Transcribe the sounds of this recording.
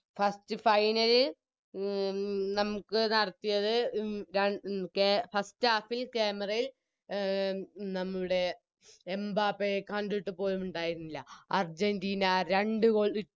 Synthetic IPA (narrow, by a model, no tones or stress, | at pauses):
fɐstɨfɐjnɐli | nɐmukːɨnɐɽɐt̪ːijɐðɨɾɐkefɐstaːfilkeːmɐrɐjil | nɐmːuɭuɽe̞ | embaːpːejkɐɳɖiʈːɨpo̞ːlumuɳɖaːjiɾunːilːɐɐrd͡ʑendiːnɐɾeɳɖɨɣoɭi